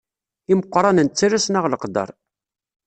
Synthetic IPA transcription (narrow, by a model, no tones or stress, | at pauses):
iməqʷːɾˤɑnənt͡sːaɾæsnaʁləqd̪ɑ̰ɾˤ